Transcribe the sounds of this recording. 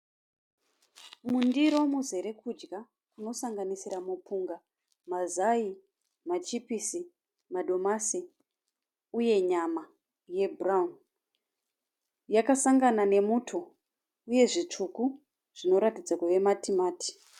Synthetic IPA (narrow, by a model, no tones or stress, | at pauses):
mundiɾo̞muze̞ɾe̞kʰud͡ʒɡa | kuno̞saŋɡanisiɾamupuŋɡa | mazai | mat͡ʃipisi | mado̞masi | uje̞ɲama | je̞braun | jakasaŋɡanane̞mutʰo | uje̞ʐit͡ʂuku | ʐ̥ino̞ɾatid͡zakuʋe̞matʰimaːti̥